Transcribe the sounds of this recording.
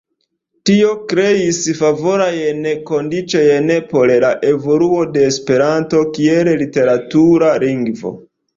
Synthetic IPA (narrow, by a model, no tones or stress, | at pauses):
tio̞kɾe̞isfavo̞ɾajeneko̞ndit͡ʃojenepo̞lelaʔe̞vo̞luo̞de̞ːspe̞ɾanto̞kiellite̞ɾatuɾaliŋɡvo̞̰